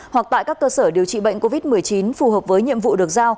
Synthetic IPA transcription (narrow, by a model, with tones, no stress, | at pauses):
hwa˨˩k̚t̪a̰ː˧˨jkaː˦˥kːəː˧səː˧˩ɗi˨˩əwt͡ɕḭ˧˨ɓə̰˧˨jŋ̟ko˧vi˦˥t̚mɨ˨˩əjt͡ɕi˨˦nfu˨˩həː˨˩p̚vəː˨˦jɲḭ˧˨əmvṵ˧˨ɗɨ˨˩ək̚zaː˧w